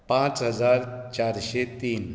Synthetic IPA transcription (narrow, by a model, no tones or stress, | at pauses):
pãt͡sɦəd͡zaɾt͡ɕaɾɕet̪iːn